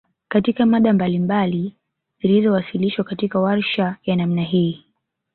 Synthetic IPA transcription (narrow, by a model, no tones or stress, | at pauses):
katikamaɗambalimbali | zilizɔwasiliʃwakatikawaɾʃajanamnaɦiː